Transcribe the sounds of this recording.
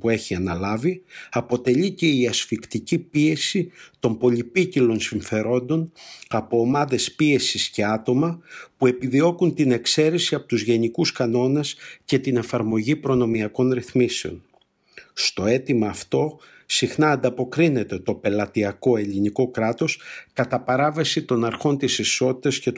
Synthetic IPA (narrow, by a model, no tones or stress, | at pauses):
pue̞çiɐnɐlɐviɐpo̞t̪e̞ʎice̞iɐsfikt̪icipie̞sit̪o̞mbo̞ʎipicilo̞nsiɱfe̞ɾo̞nd̪o̞nɐpo̞ːmɐðe̞spie̞sisce̞ɐt̪o̞mɐpue̞piðio̞kunt̪ine̞kse̞ɾesiɐpot̪uzʝe̞nikuskɐno̞ne̞sce̞t̪ine̞fɐɾmo̞ʝipɾo̞no̞miɐko̞nɾiθmiseo̞̰n | st̪o̞e̞t̪imɐːft̪o̞ | sixnɐːnd̪ɐpo̞kɾine̞t̪e̞t̪o̞pe̞lɐt̪iɐko̞e̞ʎiniko̞kɾɐt̪o̞skɐt̪ɐpɐɾɐvesit̪o̞nɐɾxo̞nt̪isiso̞t̪i̥t̪ɐsce̞t̪